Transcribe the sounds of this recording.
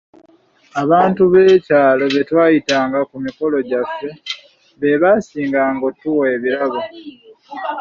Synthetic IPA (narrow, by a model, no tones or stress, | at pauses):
aβaːntuβe̞ːcaːlo̞βe̞twaːjitaːŋɡakumiko̞lo̞ɟafːe̞ | βe̞βaːsiːŋɡaːŋɡotuweːβiɾaβo